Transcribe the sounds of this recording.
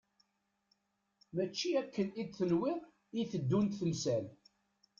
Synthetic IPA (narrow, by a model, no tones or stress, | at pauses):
mæt͡ʃːiækːənid̪θənwɪʁ | iθəd̪ːunt̪θəlsæl